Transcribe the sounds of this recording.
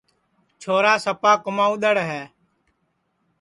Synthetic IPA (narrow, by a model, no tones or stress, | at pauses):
t͡ʃʰoːɾaːsəpaːkəmaːuɗ̪əɽɦɛː